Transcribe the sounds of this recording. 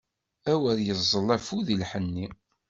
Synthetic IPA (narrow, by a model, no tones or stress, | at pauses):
æwəɾjəzˤːəlːæfuðilħənːi